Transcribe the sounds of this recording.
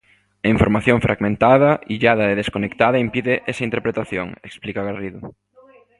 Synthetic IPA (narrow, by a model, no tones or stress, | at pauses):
aiɱfoɾmaθjõŋfɾʔaɣmẽnt̪aðɐiʎaðɐeðeskonekt̪aðɐimpiðɪʔesɐint̪eɾpɾet̪aθjo̰ŋeksplikaɣariðʊ